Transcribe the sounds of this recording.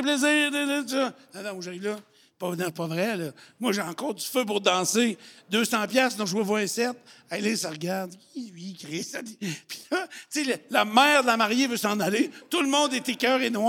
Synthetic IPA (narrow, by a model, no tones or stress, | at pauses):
ɛpleziːd̪edət̪ɔnɛ̃nɔ̃mwʒaʁivlʌ | pɔnipɔvʁɛlɔmwaʒeɑ̃kɔːʁd͡z̪yføp̬ʊʁd̪ɑ̃sed̪øːsɑ̃ːpjasd̪ɔ̃ʒwɛvwaɛsɛt̪̚ | alɪsaʁɡaʁd̪kʲilɥikʲʁɪsad̪ipi̥lɔt͡sellamɛːʁd̪əlamaʁjevøsɑ̃nalet̪ulmɔ̃d̪ɛt̪ekʲœːʁenwɑ